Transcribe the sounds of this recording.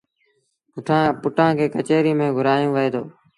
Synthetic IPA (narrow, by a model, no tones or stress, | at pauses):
pʊʈʰãːpʊʈʰãːkʰeːkət͡ʃeːɾiːmẽːɡʱʊɾaːjõːʋəeːd̪oː